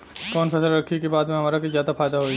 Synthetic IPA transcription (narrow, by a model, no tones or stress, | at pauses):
kɔːnpʰɛːsəlɾɐkʰːikebaːd̪mẽɦɐmaːɾakezjaːd̪afaːjd̪aɦoːi